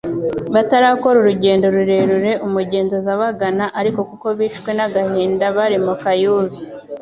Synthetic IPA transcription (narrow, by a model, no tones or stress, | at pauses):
βataɾaːko̞ɾuɾuɟe̞ːndo̞ɾuɾe̞ɾuɾe̞ʔumuɟe̞ːnzozaβaɡanaʔaɾiko̞kuko̞βiːʃɡwe̞naɡahiːndaβaɾimukajuːɾu